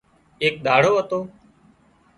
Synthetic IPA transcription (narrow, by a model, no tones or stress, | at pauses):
eːk̚ɗ̪ʱaːɽoːət̪oː